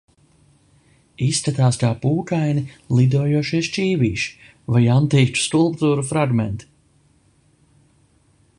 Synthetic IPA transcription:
isːk̪at̪aːskaːpuːkajnilˠid̪uɔjuɔʃiɛst͡ʃiːviːʃi̥ | vajant̪iːt͡ʃu̥skulˠp̚t̪uːɾufɾaɡmɛnt̪

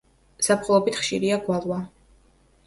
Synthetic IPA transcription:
sapχɔlˠɔbit̪ʰχʃiɾiaɡwalˠwa

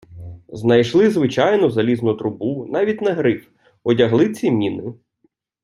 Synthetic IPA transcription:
znɐjʃlˠɪzʋɪt͡ʃɑjnɔzɐlʲiznʊt̪ɾʊbunɑʋʲitʲnɐɦɾɪf | ɔdʲɐɦlˠɪt͡sʲimʲinɪ

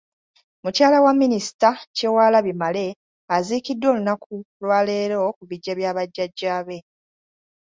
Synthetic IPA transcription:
mucaːlawamːinisi̥tacewaːlaβimale̞ | aziːkidːwo̞ːlunakulwaːle̞ːɾokuβiɟːaβjaːβaɟːaɟːaːβe̞

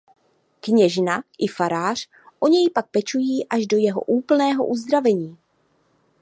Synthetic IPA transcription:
kɲɛʒnaʔɪfaɾaːr̝̥ | ʔo̞ɲɛjpak̚pɛt͡ʃujiːʔaʒdo̞jɛɦo̞̰ʔuːpl̩nɛːɦo̞̰ʔuzd̪ɾavɛɲiː

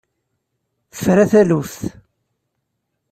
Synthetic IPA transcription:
θə̥fɾæθæluθ

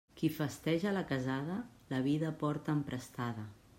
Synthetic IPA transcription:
kifəst̪ɛʒələkəzað̞ə | ləβ̞iðəpɔɾt̪əːmpɾəst̪aðə

